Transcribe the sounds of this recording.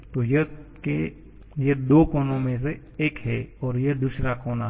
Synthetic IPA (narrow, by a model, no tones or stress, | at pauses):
t̪oːjəke | jəd̪oːkoːnõmẽs̬e | eːkɦɛɔːɾjed̪uːsɾakoːna